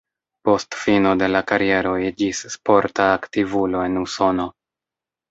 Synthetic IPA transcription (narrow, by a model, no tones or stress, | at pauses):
po̞stfino̞de̞lakaɾije̞ɾo̞id͡ʒisːpo̞ɾtaːktivulo̞e̞nuso̞no̞